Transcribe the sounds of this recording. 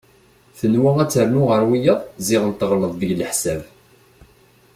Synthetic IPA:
θənwæʁæt͡sːəɾnʊʁəɾwijəðˤzɪʁənt̪əʁləðˤðəʝləħsæv

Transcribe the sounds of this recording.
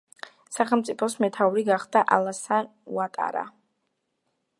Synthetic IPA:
saχɛlˠmt̪sʼipʰɔsmɛt̪ʰauɾiɡaχd̪aʔalˠasan | uat̪ʼa̰ɾa̰

